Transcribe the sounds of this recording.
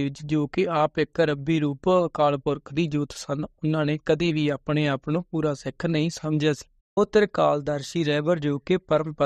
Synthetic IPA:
ʋɪt͡ʃd͡ʒoːkɪaːpɪkəɾəbiːɾuːpkaːlpʊɾkʰd̪iːd͡ʒuːt̪sənʊnãːnẽːkəd̪eːʋiːaːpneːaːpnõːpuːɾaːsɪkʰnəĩːsəmd͡ʒaːsi̥ː | oːt̪ɪɾkaːld̪əɾʃiːɾɛːʋəɾd͡ʒoːkeːpəɾəmpə

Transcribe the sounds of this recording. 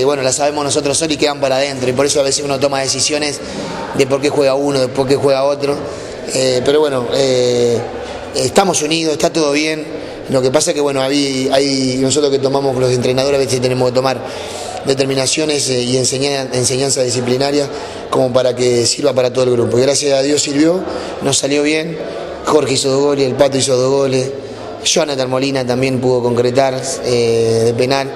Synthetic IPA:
βwe̞nolasaβe̞mono̞s̬o̞t̪ɾosolikeðampaɾaðent̪ɾoipoɾesoaβe̞sesunot̪̬o̞mað̞e̞sisjo̞nes | d̪e̞poɾkexweɣaunoðepoɾk̬e̞xweɣao̞t̪ɾo̞ | epe̞ɾoβweno̞e | ht̪amo̞suniðoseht̪at̪oð̞o̞βje̞n | lo̞kepasaekewe̞noaβiajno̞s̬o̞t̪ɾoket̪o̞mamo̞slose̞nt̪ɾe̞nað̞oɾaβeset̪ene̞mo̞hket̪o̞maɾ | d̪e̞t̪̬eɾmĩnasjo̞nesienseɲaense̞ɲãnsaðisiplinaɾja | ko̞mo̞paɾakesiɾβapaɾat̪oð̞elɣɾupoiɣɾasjasaðjo̞siɾβjo̞ | nosaljo̞βje̞n | xo̞ɾxeisoðoɦɣo̞leselpat̪̬oisoðoɦɣoles | ʃoanat̪almo̞linat̪ambje̞mpuðo̞ko̞ŋkɾet̪aɾeðep̬e̞nal

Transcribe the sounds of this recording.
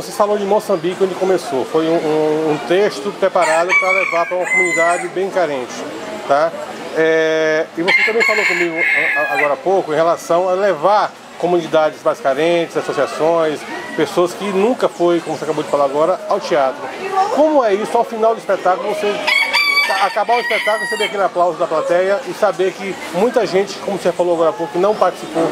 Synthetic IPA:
vosefalõd͡ʒɪmosɐ̃mbikɪɐ̃ʊɪkõmesofojũũːt̪eʃt̪ʊpɾɛpaɾad̪ʊpɾɐlevapɾɐũmɐkomũnid̪ad͡ʒɪbẽj̃kaɾẽt͡ʃɪ̥ | t̪a | ɛɪvoset̪ɐ̃mbẽj̃falˠokõmiɡʊɛaaɡɔɾɐapowkʊẽhelasɐ̃w̃ɐlevaɾ | kõmũnid̪ad͡ʒɪzmajskaɾẽt͡ʃɪzasosiasõj̃spesoɐskɪnũkɐfojkõmʊvoseakabowd͡ʒɪfalaaɡɔɾɐawt͡ʃiat̪ɾʊkõmʊɛisʊaʊfinawd̪ʊispet̪akʊlʊvose | akabaɾʊispek̚t̪akʊl̩ˠʊsebeɾakelɪaplawzʊd̪ɐplat̪ɛjɐʔɪsabeɾkɪ | mũj̃t̪ɐʒẽt͡ʃɪ̥kõmʊseafalowaɡɔɾapokʊkɪnɐ̃w̃paɾt͡ʃi̥sipo

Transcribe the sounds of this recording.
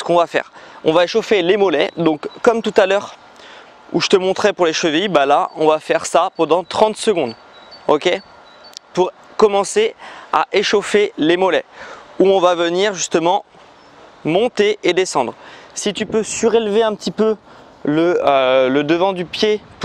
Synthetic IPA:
sə̥kɔ̃vafɛ̰ːʁɔ̰̃vaeʃofelemɔlɛ̰d̪ɔ̃kːɔmt̪ut̪alœʁ | ṵʒə̥t̪əmɔ̃t̪χɛpuʁleʃəvijbalaʔɔ̃vafɛʁsapɑ̃d̪ɑ̃t̪χɑ̃t̪səɡɔ̃d̪ | okʲe | puʁ | kɔmɑ̃sea̰ʔeʃofelemɔlɛuɔ̃vavəniʁʒyst̪əmɑ̃ | mɔ̃t̪eʔed̪esɑ̃d̪ʁsit̪ypøsyʁelveɛ̃pət̪ipø | ləøləd̪əvɑ̃d̪ypje

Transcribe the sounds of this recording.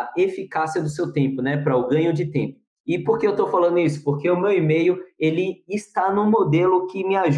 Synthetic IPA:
efikasiɐd̪ʊsewt̪ẽpʊnɛpɾɐʊɡɐ̃ɲʊd͡ʒɪt̪ẽpʊ | ɪpoɾkeewt̪owfalɐ̃nd̪ʊisʊ̥poɾkeʊmewimejʊelɪːst̪anũmod̪elʊkɪmɪaʒ

